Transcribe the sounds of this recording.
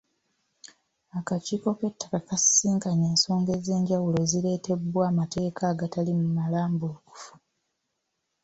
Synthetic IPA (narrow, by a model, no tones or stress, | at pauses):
akaciːko̞ke̞tːḁkakassiːŋkaɲe̞ːnso̞ːŋɡe̞ze̞ːɲɟawulo̞zile̞ːte̞bwaːmate̞ːkʰaːɡatalimumalaːmbouku̥fu̥